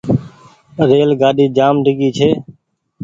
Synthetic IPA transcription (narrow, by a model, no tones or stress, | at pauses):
ɾeːlɡaːɗiːd͡ʒaːmɖʱɪɠiːt͡ʃʰeː